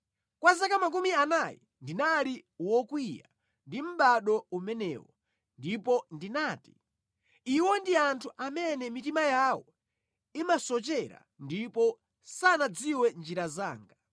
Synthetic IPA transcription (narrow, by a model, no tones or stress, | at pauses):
kwazakamak̬umianajḭ | ndinaliwɔkwija̰ | ndim̩ɓaɗɔumɛnɛ̰ːwɔ | ndipɔndinaːti̥ | iwɔndiantʰuʔamɛnɛmitimajawɔ | imasɔt͡ʃɛɾa̰ | ndipɔ | sanad͡ziwɛnd͡ʒiɾazaːŋɡa